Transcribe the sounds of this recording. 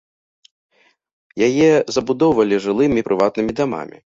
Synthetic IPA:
jajɛzɐbud̪ɔwvɐlʲiʐɨlˠɨmʲipɾɨvat̪̚nɨmʲid̪ama̰mʲḭ

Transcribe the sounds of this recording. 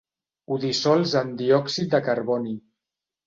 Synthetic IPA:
uðisɔlˠzənd̪iɔksit̪̚d̪əkaɾβɔni

